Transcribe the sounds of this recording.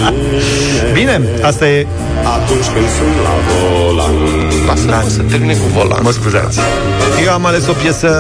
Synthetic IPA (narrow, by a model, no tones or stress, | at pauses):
bine̞ | ast̪aje | at̪unt͡ʃpensunla̰vola̰nu | lasəɾasət̪eɾminekuvola̰məskuza̰t̪sʲ | jewamaleso̞pjesə